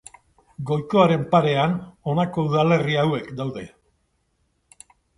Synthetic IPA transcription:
ɡo̞jko̞aɾe̞mpaɾe̞ano̞nako̞uðale̞riawe̞kd̪awðe̞

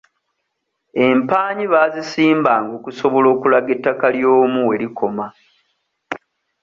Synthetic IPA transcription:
e̞mpaːɲiβaːzisiːmbaːŋɡo̞ːkuso̞βo̞lo̞ːkulaɡetːakaljoːmuwe̞ɾikʰo̞ma

